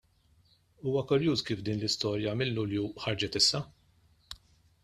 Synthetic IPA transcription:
uːwɐkʊɾjuːskiːfd̪iːnlɪst̪ɔːɾjɐmɪlːʊljuħɐɾd͡ʒɛt̪ɪsːɐ

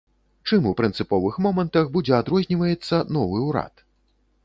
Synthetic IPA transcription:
t͡ʂɨmupɾɨnt̪sɨpɔvɨxmɔmɐnt̪ɐxbud͡zʲɛad̪ɾɔzʲnʲivɐjɛt̪sːɐnɔvɨuwɾa̰t̪

